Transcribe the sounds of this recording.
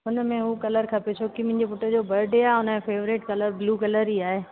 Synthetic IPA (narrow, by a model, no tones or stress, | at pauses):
ɦʊnəmẽɦukɐləɾkʰɐpet͡ɕʰoːkimʊ̃ɦɪ̃ɲd͡ʑepʊʈəd͡ʑoːbɐɾɖeaːɦeɦʊnəmẽfeːʋɾɪʈkɐləɾbluːkɐləɾiaːɦeː